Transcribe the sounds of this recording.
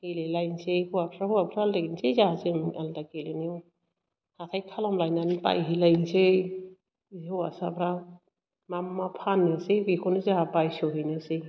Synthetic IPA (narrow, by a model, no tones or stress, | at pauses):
helelajnsejhuwapʰɾahuapʰɾalensezaazemaltakeleniw | hatʰajkʰalɔmlajnanipa̰jɦilajnse | hɯwa̰sapʰɾa | mamːapʰanːisebikʰɔnizaɦapajsɔwɦenɯsej